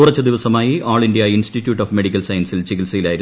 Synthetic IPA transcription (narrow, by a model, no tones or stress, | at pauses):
uːrɐt͡ɕːɐd̪iʋɐsɐmaːjiʔaːɭiɳɖijainsʈitːjuːʈːoːfme̞ɽikʲːɐlsɐjɐnsilt͡ɕiɣilsɐjilaːjiɾ